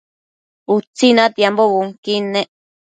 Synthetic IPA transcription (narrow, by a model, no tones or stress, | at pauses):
ut͡sinãt̪jamboβuŋkinẽʔ